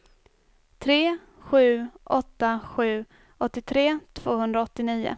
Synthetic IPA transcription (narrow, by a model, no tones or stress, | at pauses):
t̪ʰɾeː | ɧʉ̟ːʔɔt̪ːaɧʉ̟ː | ɔt̪ːɪt̪ʰɾeːt̪ʰv̥oːɦɵnd̪ɾaɔt̪ːɪniːʊ̰